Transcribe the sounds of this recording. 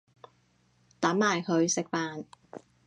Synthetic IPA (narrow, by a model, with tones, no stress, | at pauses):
t̪ɐ˨˥mːaː˨˩jkʰɵ˨˧ɥsɪ˨k̚faː˧n